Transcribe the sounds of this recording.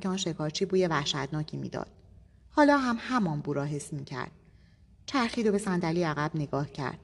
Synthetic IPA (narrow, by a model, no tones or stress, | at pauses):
cʰeɒːnʃe̞kʰɒːɾt͡ʃʰiːbuːjevæhʃæd̪̥nɒːcʰiːmḭːd̪ɒ̰ːd̪̥̚ | hɒːlɒːɦæmhæmɒːnbuːɾɒːɦesmiːcʰæ̰ɾd̪̥̚ | t͡ʃʰæɾxiːd̪obe̞sænd̪æliːæɣæbneɡɒːhcʰæ̰ɾd̪̥̚